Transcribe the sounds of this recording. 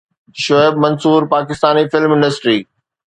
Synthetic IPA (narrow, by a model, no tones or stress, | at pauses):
ʃoebmɐnsuːɾpaːkɪst̪aːnifɪlmɪ̃ɳɖəsʈɾiː